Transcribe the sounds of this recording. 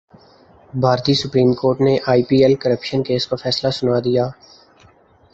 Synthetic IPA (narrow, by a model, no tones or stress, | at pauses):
bʱaːɾt̪iːsʊpɾiːmkoːɾʈneʔaːipiːelkəɾəpʃənkeːskafɛːslasʊnaːd̪ijaː